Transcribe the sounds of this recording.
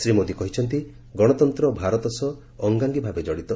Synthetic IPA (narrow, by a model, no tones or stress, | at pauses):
sɾimod̪ikɔɦit͡ʃʰɔnt̪i | ɡɔɽ̃ɔt̪ɔnt̪ɾɔbʱaɾɔt̪ɔsɔː | ŋɡaŋɡibʱabed͡ʒɔɽit̪ɔ